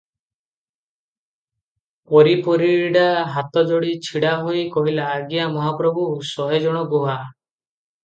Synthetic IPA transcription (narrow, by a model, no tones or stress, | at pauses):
pɔɾipɔɾiɽaɦat̪ɔd͡ʒoɽit͡ʃʰiɽaɦojkɔɦilaːɡijamɔɦapɾɔbʱusɔɦed͡ʒɔɽ̃ɔɡoɦa